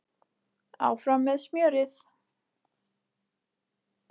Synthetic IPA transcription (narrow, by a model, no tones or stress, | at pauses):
a̰wfɾamːɛðsmjœːɾɪθ